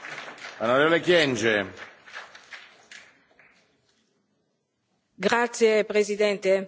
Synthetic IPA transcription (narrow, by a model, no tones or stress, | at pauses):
anoɾɛːvolekjɛnd͡ʒe | ɡɾat̪sjepɾezid̪ɛnt̪e